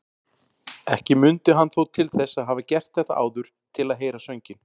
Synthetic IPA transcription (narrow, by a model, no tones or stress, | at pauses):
ɛhcɪmʏnt̪ʏɦanθowt̪ʰɪlθɛsːaðɦaːvacɛr̥t̪θɛht̪aʔa̰ːwðʏɾ̥ | t̪ʰɪlaðɦeːjɾasœɥɲcɪn